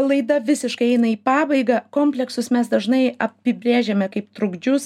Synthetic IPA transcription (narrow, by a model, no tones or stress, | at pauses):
lˠɐɪd̪ɐʋʲɪsʲɪʃkɐɪɛɪnɐiːpɑːbɐɪɡɑːkoːmʲpʲlʲɛksʊsmʲɛsd̪ɐʒnɐɪɐpʲɪbʲɾʲeːʒʲɛːmʲɛkɐɪpt̪ɾʊɡd͡ʒʲʊs